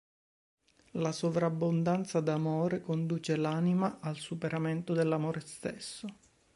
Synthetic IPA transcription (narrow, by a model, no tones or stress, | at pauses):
lasovɾabːond̪ant̪sad̪amoːɾekond̪uːt͡ʃelanimaʔalsupeɾament̪od̪elːamoːɾest̪esːo